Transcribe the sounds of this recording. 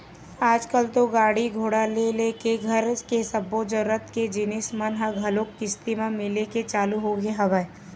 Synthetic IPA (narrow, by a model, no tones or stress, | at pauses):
aːd͡ʒkəlt̪oɡaːɽiɡʱoːɽalelekeɡʱɐɾkesɐbod͡ʒəɾət̪ked͡ʒɪnɪsmənɦəɡʱɐlokkɪst̪imãmɪleket͡ʃaːluɦoɡeɦɐʋae